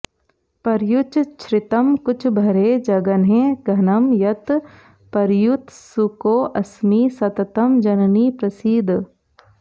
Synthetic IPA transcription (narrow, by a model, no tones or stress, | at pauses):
pɐɾjʊt͡ʃt͡ʃʰɾɪt̪əmkʊt͡ʃʰbʱɐɾeːd͡ʒɐɡənɦẽːɡʱɐnɐmjɐt̪ | pɐɾjut̪sukoːʔɐsmiːsɐt̪t̪əmd͡ʒɐnniːpɾɐsid̪ʱ